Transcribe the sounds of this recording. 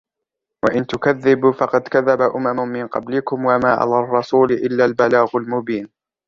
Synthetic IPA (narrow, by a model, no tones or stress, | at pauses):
waʔɪnt̪ʊkaðːɪbfɑqɑd̪kaðːabaʔʊmamʊmɪnqɑ̰blɪkʊmwamaːʔa̰laːrˤːɑsuːlɪʔɪlːalbalaːɣʊlmʊbiːn